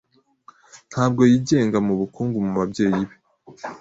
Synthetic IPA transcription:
n̥haːbɡo̞jiːɟe̞ːŋɡamuβukuːŋɡumuβabɟe̞ːjiβe

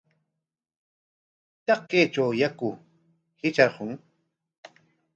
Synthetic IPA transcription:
t̪ɑqːet͡ʃawjakʊ | hɪt͡ʃahʊŋ

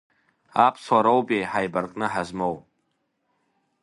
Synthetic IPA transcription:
apʰsaɾowbʼejħajbarkʼnɨħazmow

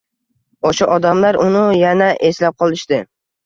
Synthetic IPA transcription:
ɒʃɒʔɒd̪amlaɾʊnɪjanaʔe̞slap̚qʰɒlˠɪʃd̪ɪ

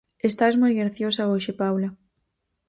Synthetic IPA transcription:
est̪azmojɣɾaθjosaoʃepawlɐ

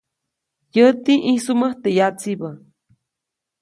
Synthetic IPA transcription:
jət̪iʔisuməht̪ejat͡sibə

